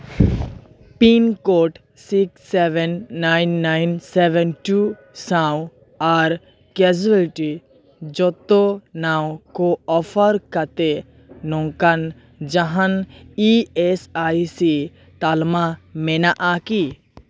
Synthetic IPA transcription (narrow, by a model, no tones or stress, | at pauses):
piːnkoːʈ | sikseʋɛnːaːɪnːaɪnseʋɛnʈu | sãw | aɾ | ked͡ʒuəlʈi | d͡ʒɔt̪onaːwkoɔfʰəɾkət̪e | nõŋkan | d͡ʒəɦaniesajsi | t̪almamenaʔaki